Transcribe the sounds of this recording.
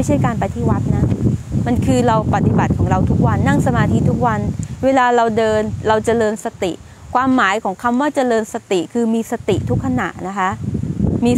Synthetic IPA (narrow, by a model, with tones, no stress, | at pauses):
jt͡ɕʰa˥˩jkaː˧npa˧jt̪ʰiː˥˩wa˦˥t̪̚na˦˥ma˧nkʰɯː˧ɾa˧wpa˨˩t̪i˨˩ba˨˩t̪̚kʰɔː˩˦ŋɾa˧wt̪ʰu˦˥k̚wa˧nːa˥˩ŋsa˧maː˧t̪ʰiː˧t̪ʰu˦˥k̚wa˧nweː˧laː˧ɾa˧wdɤː˧nɾa˧wt͡ɕa˨lɤː˧nsa˧t̪ḭ˨˩ʔ | kʰwaː˧mːaː˩˦jkʰɔː˩˦ŋkʰa˧mwaː˥˩t͡ɕa˨˩lɤː˧nsa˧t̪i˨˩kʰɯː˧miː˧sa˧t̪i˨˩t̪ʰu˦˥kʰːa˧na̰˨˩ʔna˦˥kʰa˦˥ʔmiː˧